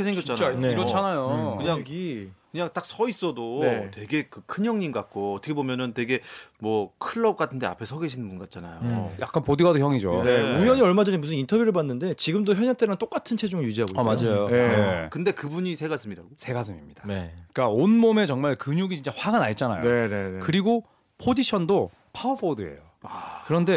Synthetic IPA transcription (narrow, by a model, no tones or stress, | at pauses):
esʰeŋɡjʌt͡ɕ͈ananeʌt͡ɕʰanajokkɯɲaŋɡikɯɲaŋt͈ak̚sʰʌis͈ʌdonetwe̞ɡe̞kɯkʰɯɲjʌŋɲimɡak͈oʌtʰɯ̥kʰe̞bomjʌnɯntwe̞ɡemwʌkʰɯɭːʌp̚k͈atʰɯnde̞a̰pʰe̞sʰʌɡe̞ɕʰinɯnbunɡat̚t͡ɕ͈ana̰joja̰k͈anpodiɡwadoçjʌŋid͡ʑonemujʌɲiʌɭmad͡ʑʌɲimusʰɯnintʰʌbjuɾɯɭp̬anːɯnde̞t͡ɕiɡɯmdoçjʌɲʌnt͈eɾant͈ok͈atʰɯnt͡ɕʰe̞d͡ʑuŋɯɭjud͡ʑiɦaɡoʌmad͡ʑajoje̞ekɯnde̞kɯbuɲisʰeɡas͈ɯmɲida̰osʰe̞ɡas̬ʰɯmimɲid̥anek͈aonmome̞t͡ɕʌŋmaɭkɯɲuɡit͡ɕint͡ɕ͈aɸwaɡanait̚t͡ɕ͈ana̰jone̞ne̞nekɯɾiɡo | pʰod͡ʑiɕʰʌndo | pʰaopʰodɯe̞̰jo | akɯɾʌnde̞